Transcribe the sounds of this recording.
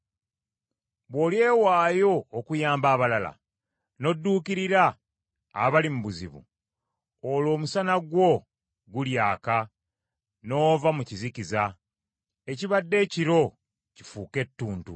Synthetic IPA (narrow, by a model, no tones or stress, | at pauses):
βwo̞lje̞ːwaːjo̞ːkujaːmbaːβalala̰ | no̞dːuːkiɾiɾa̰ː | βalimuβuzḭβṵ | olo̞ːmusanaɡwo̞ | ɡuljaːka | no̞ːvamucizikiza | eciβadːe̞ːciɾo̞ | ci̥fuːke̞tːuːntṵ